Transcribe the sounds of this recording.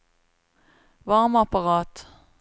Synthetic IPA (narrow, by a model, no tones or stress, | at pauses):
vɑʁmapaʁɑːt̪